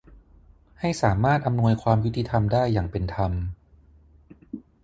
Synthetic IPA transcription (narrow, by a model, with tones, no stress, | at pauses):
ha˥˩jsaː˩˦maː˥˩t̪̚ʔa˧mnu˧əjkʰwaː˧mju˦˥t̪ʰːi˧t̪ʰa˧mdaː˥˩jːaː˨˩ŋpe˧nt̪ʰa˧m